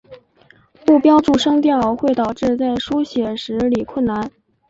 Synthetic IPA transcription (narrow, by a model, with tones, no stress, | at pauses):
mu˥˩pjɑ˥ʊʈ͡ʂu˥˩ʂɤ˥ŋt̪jɑ˥˧ʊxwe˥˩ɪt̪ɑ˨˩ʊʈ͡ʂɻ̩˥˧t͡sa˥˩ɪʂu˥ɕjɛ˨˩ʂɻ̩˧˥li˨˩kʰwə˥˩nna˧˥n